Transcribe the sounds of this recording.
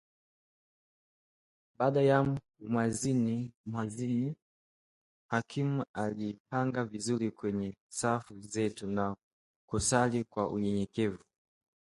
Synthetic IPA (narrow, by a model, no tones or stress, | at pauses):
ɓaːɗaja | mwazinimwazini | hakʰimualipaŋɡavizuɾikwɛɲɛsafuzɛtuna | kusalikwaʔṵɲɛɲɛkɛvu